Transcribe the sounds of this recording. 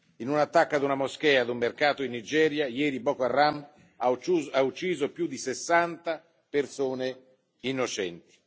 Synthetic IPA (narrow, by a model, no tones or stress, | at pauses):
inunat̪ːakːad̪unamoskɛːad̪umːerkaːt̪oinːid͡ʒɛːɾjajɛːɾibɔkoarːam | aut͡ʃːiːzopjud̪isesːant̪a | persoːne | inːot͡ʃɛ̰nt̪i̥